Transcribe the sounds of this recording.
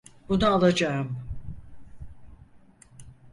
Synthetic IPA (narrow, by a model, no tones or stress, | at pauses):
bunuaːlˠad͡ʒaɯm